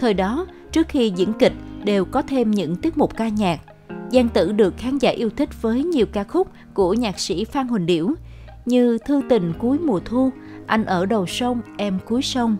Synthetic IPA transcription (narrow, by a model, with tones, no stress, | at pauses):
t̪ʰəː˨˩jɗɔ˨˦ | t͡ɕɨ˦˥ək̚xi˧zḭ˧˥ənkï˨˩k̟̚ɗe˨˩wkɔ˨˦t̪ʰe˧mɲɨ̰˧˥ŋt̪i˦˥ət̚mʊ˨˩k͡p̚kaː˧ɲaː˨˩k̚ | zaː˧ŋt̪ɨ̰˧˥ɗɨ˨˩ək̚xaː˨˦nzaː˧˩ʔi˧əwt̪ʰï˦˥k̟̚vəː˨˦jɲi˨˩əwkaː˧xʊ˦˥k͡p̚ | ku˧˩əɲaː˨˩k̚sḭ˧˥faː˧ŋɦwï˨˩ŋ̟ɗḭ˧˩əw | ɲɨ˧t̪ʰɨ˧t̪ï˨˩ŋ̟ku˨˦jmu˨˩ət̪ʰu˧ | ʔa˧jŋ̟ʔəː˧˩ɗə˨˩wsə˧wŋ͡mʔɛ˧mku˨˦jsə˧wŋ͡m